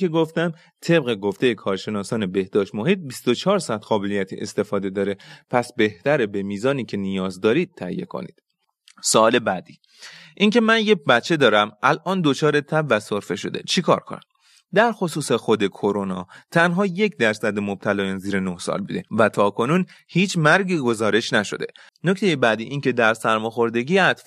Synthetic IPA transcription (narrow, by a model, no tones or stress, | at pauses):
ke̞ɡoft̪æm | t̪ʰe̞bɣeɡo̞ft̪e̞jekʰɒːɾʃe̞nɒːsɒːne̞be̞hd̪ɒːʃt̪mo̞ɦiːt̪̚bist̪o̞t͡ʃʰɒːɾsæt̪ɢɒːbelijæt̪ʰḭʔḛst̪e̞fɒːd̪e̞d̪ɒːɾe̞pʰæsbe̞ht̪æɾebe̞miːzɒːniːcʰe̞nijɒːzd̪ɒːɾiːd̪̥̚t̪ʰæhḭjːe̞̰kʰo̰nḭːd̪̥ | soːle̞bæd̪iː | ʔiŋce̞mænjebæt̪t͡ʃʰːe̞d̪ɒːɾæmælʔɒːnd̪o̞t͡ʃʰɒːɾet̪ʰæbvæsoɾfe̞ʃo̞d̪e̞̰t͡ʃʰikʰɒ̰ːɾkʰo̰næ̰m | d̪æɾxosuːsexo̞d̪e̞kʰoɾonɒ̰ːt̪ʰænɦɒːje̞cʰd̪æɾsæd̪emob̥̚t̪ʰælɒːjɒnziːɾenohsɒ̰lbṵːd̪e̞væt̪ʰɒːkʰo̞nuːnhiːt͡ʃʰmæɾɡiːɡo̞zɒːɾe̞ʃnæʃo̞̰d̪e̞̰ | noct̪ʰejebæd̪iːʔiːnce̞d̪æɾsæɾmɒːxo̞ɾd̪e̞ɟiːjeæt̪f